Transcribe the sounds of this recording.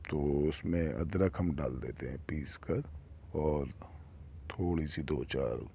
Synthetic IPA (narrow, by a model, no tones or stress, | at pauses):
t̪oːʊsmẽɐ̰d̪ɾəkɦɐmɖaːld̪ḛːt̪eɦɛ̃piːskɐɾɔːɾ | t̪ʰoːɽisid̪oːt͡ʃa̰ːɾ